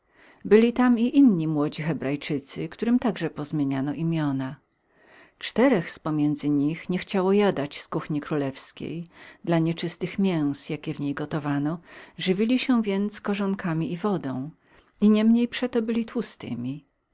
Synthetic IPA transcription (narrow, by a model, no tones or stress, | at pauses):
bɘlʲit̪amiʔinɲimwɔd͡ʑixɛbɾajt͡ʂɘt̪sɘkt̪uɾɘmt̪aɡʐɛpɔzmʲjeɲanɔʔimʲjɔna | t͡ʂt̪ɛɾɛxspɔmʲjɛnd̪zɘɲixɲɛxt͡ɕawɔjad̪at͡ɕskuxɲikɾulɛfskʲḛjd̪laɲɛt͡ʂɘst̪ɘxmʲjɛw̃sjakʲɛvɲejɡɔt̪ɔvanɔʐɘvʲilʲiɕɛvʲjɛnt̪skɔʐɔŋkamʲiʔivɔd̪ɔ̰̃w̃ | iɲɛmɲejpʂɛt̪ɔbɘlʲit̪wust̪ɘ̰mʲi